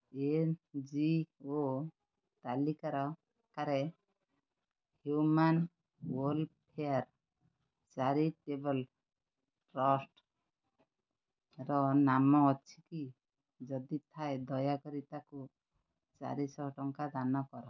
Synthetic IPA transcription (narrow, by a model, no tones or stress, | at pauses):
end͡ʒio | t̪alikaɾɔ | kaɾɛ | hjuman | wɔlpʰeaɾ | t͡ʃaɾiʈebɔl | ʈɾɔsʈ | ɾɔnamɔːt͡ʃʰiki | d͡ʒɔd̪it̪ʰajd̪ɔjakɔɾit̪aku | t͡ʃa̰ɾisɔʈɔŋkad̪anɔkɔɾɔ